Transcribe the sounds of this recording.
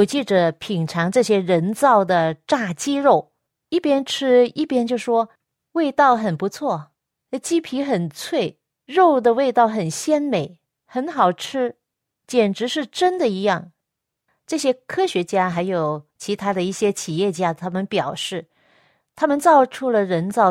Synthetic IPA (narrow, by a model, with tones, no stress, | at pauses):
o˧˩ʊt͡ɕi˥˩ʈ͡ʂə˩pʰi˨˩ŋʈ͡ʂʰɑ˧˥ŋʈ͡ʂɤ˥˩ɕjɛ˥ɻə˧˥nt͡sɑ˥˩ʊd̪ə˩ʈ͡ʂa˥˩t͡ɕi˥ɻo˥˩ʊ | i˥˩pjɛ˥nʈ͡ʂʰɻ̩˥i˥˩pjɛ˥nt͡ɕjo˥˧˩ʊʂwɔ˥ | we˥˧ɪt̪ɑ˥˩ʊxə˨˩npu˧˥t͡sʰwɔ˥˩˧ | t͡ɕi˥pʰi˧˥xə˨˩nt͡sʰwe˥˩ɪ | ɻo˥˩ʊd̪ə˨we˥˧ɪt̪ɑ˥˩ʊxə˨˩nɕjɛ˥nme˨˩˦ɪ | xə˧˥nxɑ˨˩ʊʈ͡ʂʰɻ̩˥ | t͡ɕjɛ˨˩nʈ͡ʂɻ̩˧˥ʂɻ̩˥˩ʈ͡ʂə˥nd̪ə˨i˧˥jɑ˥˩ŋ | ʈ͡ʂɤ˥˩ɕjɛ˥kʰɤ˥ɕɥɛ˧˥t͡ɕja˥xa˧˥ɪjo˨˩ʊt͡ɕʰi˧˥t̪ʰa˥d̪ə˨i˥˩ɕjɛ˥t͡ɕʰi˨˩jɛ˥˩t͡ɕja˥t̪ʰa˥mə˨npjɑ˨˩ʊʂɻ̩˥˩ | t̪ʰa˥mə˨nt͡sɑ˥˧ʊʈ͡ʂʰu˥lə˨ɻə˧˥nt͡sɑ˥˩ʊ